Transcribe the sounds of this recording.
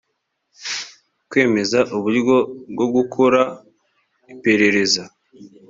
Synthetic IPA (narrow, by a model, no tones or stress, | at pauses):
kwe̞ːme̞zaʔuβuɾɡo̞bɡo̞ɡukʰoɾa | ipe̞ɾe̞ɾe̞za